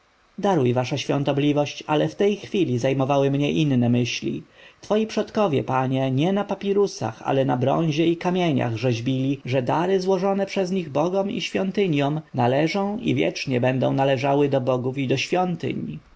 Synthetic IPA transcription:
d̪aɾujvaʂaɕfʲjɔ̰̃nt̪ɔblʲivɔɕt͡ɕa̰lɛft̪ɛjxfʲilʲizajmɔvawɘmɲɛʔinːɛmɘɕlʲḭt̪fɔjipʂɔt̪kɔvʲjɛ̰paɲɛɲɛnapapʲiɾusa̰xa̰lɛnabɾɔ̰̃ɲ̃ʑɛikamʲjeɲa̰ɣʐɛʑbʲilʲiʐɛd̪aɾɘzwɔʐɔnɛpʂɛzɲiɣbɔɡɔmḭɕfʲjɔnt̪ɘɲjɔmnalɛʐɔ̃w̃ḭvʲjɛ̰t͡ʂɲɛbɛnd̪ɔ̰̃w̃nalɛʐawɘd̪ɔbɔɡufid̪ɔɕfʲjɔnt̪ɘ̰ɲ

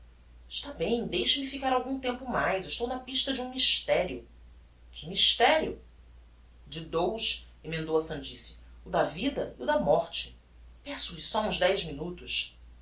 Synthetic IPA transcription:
ɪʃt̪abẽj̃d̪ejʃɪmifikaɾawɡũt̪ẽmpʊmajzɪʃt̪ownɐpiʃt̪ɐd͡ʒũmiʃt̪ɛɾiʊ | kʰɪmiʃt̪ɛɾiʊ | d͡ʒɪd̪owʃ | emẽnd̪owɐsɐ̃nd͡ʒisi̥ʊd̪ɐvid̪ɐiʊd̪ɐmɔɾt͡ʃɪ̥ | pɛsʊisɔũzd̪ɛjzminut̪ʊʃ

